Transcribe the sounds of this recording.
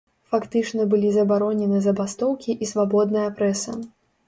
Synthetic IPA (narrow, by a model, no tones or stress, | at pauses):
fakt̪ɨt͡ʂnɐbɨlʲizɐbaɾɔnʲɛnɨzɐbast̪ɔwkʲiʔisvabɔd̪̚nɨjɐpɾɛsɨ̰